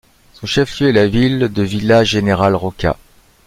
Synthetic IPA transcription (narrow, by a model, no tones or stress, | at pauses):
sɔ̃ʃɛfljøɛlavild̪əvilaʒeneʁalʁɔkʲa̰